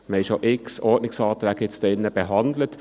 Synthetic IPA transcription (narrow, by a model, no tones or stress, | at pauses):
mɛɪʃoʔɪksɔɹdnɪksɑːt̪ɾækɪt̪st̪ɪnːəb̥əɦɑnd̪lət̪